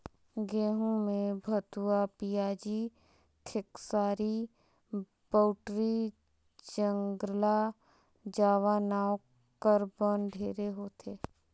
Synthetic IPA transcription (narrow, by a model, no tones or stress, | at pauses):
ɡeːɦũmẽbʱət̪uapijaːd͡ʒi | kʰɪksaːɾi | b̥əːʊʈɾi | d͡ʒə̃ŋɡla | d͡ʒaːʋaːnaːo | kəɾbənɖʱeːɾeɦoːt̪ʰeː